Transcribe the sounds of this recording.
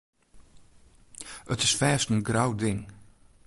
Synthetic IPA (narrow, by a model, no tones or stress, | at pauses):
ʔətɪsfɛːstənɡrawdɪŋ